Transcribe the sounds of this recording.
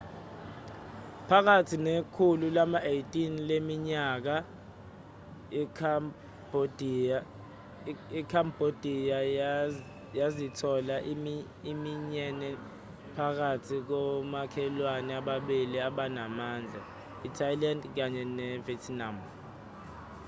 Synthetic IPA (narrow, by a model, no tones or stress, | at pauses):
pʰak̬atʰinekʰululamaʔejtʼinlemiɲak̬a | bod | ikʰambod̥ʱija | jazitʰɔla | imiɲɛnɛ | pʰak̬atʰik̬ɔmakʰɛlwanɛaɓaɓiliaɓanamaːnd͡ɮʱa | itʰajlandk̬aɲɛnɛvɛtʰnam